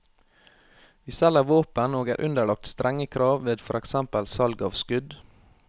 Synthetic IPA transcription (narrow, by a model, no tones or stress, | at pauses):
ʋiːsɛləʋoːpənoːɡæ̰ːɾʔʉnd̪əɭɑk̚t̪st̪ɾʔɛŋəkʰɾɑːʋʋeːd̪fɔɾɛksɛmpəlsɑlɡɑ̰ːʋskʉd̪